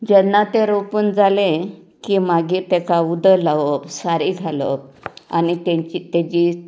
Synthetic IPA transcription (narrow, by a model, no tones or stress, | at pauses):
d͡ʑɛnːat̪eɾopuːnd͡zalẽ | kimaɡiːt̪ɛkaud̪əlaʋəpsaɾiɡʱalə̰p̚a̰nit̪ẽt͡ɕit̪ed͡ʑi